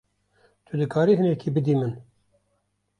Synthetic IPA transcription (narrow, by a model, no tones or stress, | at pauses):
t̪ʰud̪ɨkʰaːɾiːɦɨnɛkʰiːbɨd̪iːmɨn